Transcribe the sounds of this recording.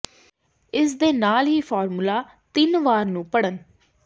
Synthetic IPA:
ɪs̬d̪eːnaːlɦiːfʰɔːɾmulaː | t̪ɪnʋaːɾnũːpəɽən

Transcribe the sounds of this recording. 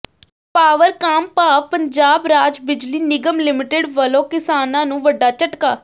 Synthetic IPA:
paːʋəɾkaːmpaːʋpəɲd͡ʒaːbɾaːd͡ʒbɪd͡ʒliːnɪɡəmlɪmɪʈeɖʋəlõːkɪsaːnãːnũːʋəɖːaːt͡ʃəʈkaː

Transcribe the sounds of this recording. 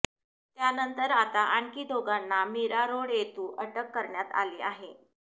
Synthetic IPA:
t̪janənt̪əɾat̪aʔaɳkiːd̪ʱoɡanːamiɾaɾoɽjet̪uːʔəʈəkːəɾɳjat̪a̰leaɦe

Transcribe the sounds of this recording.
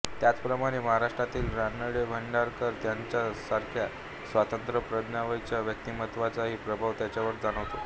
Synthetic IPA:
t̪jat͡spɾəmaɽ̃eməɦaɾaʂʈɾat̪iːlɾanəɽebʱəɳɖaɾkəɾt̪jaɲt͡ɕjasaɾkʰja | sʋat̪ənt̪ɾəpɾəd̪naʋəjt͡ɕjaʋjək̚t̪imət̪ʋat͡saɦiːpɾəbʱaʋt̪jat͡ɕjaʋəɾd͡zaɽ̃əʋt̪o

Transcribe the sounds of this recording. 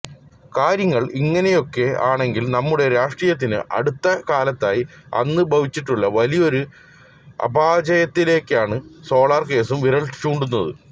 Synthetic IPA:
kaːɾjɐŋːɐɭiŋːɐne̞jo̞kːe̞aːɳe̞ŋɡilnɐmːuɽe̞ɾaːʂʈrijɐt̪̬ːinɨ̰ʔɐ̰ɽut̪ːɐkaːlɐt̪ːaːjiɐ̰nːɨbʱɐʋit͡ɕːiʈːuɭːɐʋɐlijo̞ɾu | ɐ̰bʱaːd͡ʑɐjɐt̪ːile̞ːkʲːaːɳɨso̞ːɭaːrke̞ːsumʋiɾɐɭi̥t͡ɕːuːɳɖunːɐðɨ̰

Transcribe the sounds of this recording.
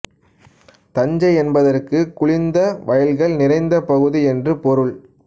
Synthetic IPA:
t̪ɐɲd͡ʒɐɪɛnbɐðɐrkɯkʊɭɪnd̪ɐʋʔɐjɐlɣɐɭnɪrɐɪnd̪ɐpɐɣɯðiɛndrɯpɔɾɯɭ

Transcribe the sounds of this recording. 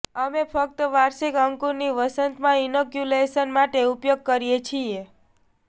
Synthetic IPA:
əmefʰək̚t̪əʋaɾʃikəŋkuɾniʋəsənt̪mãinokjuleʃənmaʈeupjoɡ̚kəɾijet͡ʃʰie

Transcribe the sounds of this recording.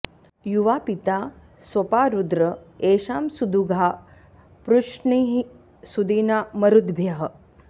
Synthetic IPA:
juʋaːpit̪a | sʋɐpaːɾud̪ɾəeːʃaːmsud̪uɡʱa | pɾuʂɳiɦi | sud̪iːnamɐɾud̪bʱjɐɦə

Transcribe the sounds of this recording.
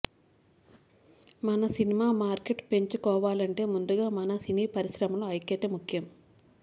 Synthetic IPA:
mɐnɐsinimaːmaːɾkeʈpeɲt͡ʃukɔːʋaːlɐɳʈe̞ːmund̪uɡaːmɐnɐsiniːpɐɾiʃɾɐmɐloɐjkːɛt̪ɐmukʰjɐm

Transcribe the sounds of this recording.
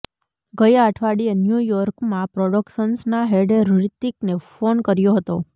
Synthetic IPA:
ɡəjaʈʰʋaɽienjujɔɾkmãpɾɔɖəkʃənsnaɦeɖeɾɾit̪iknefonkəɾjoɦət̪o

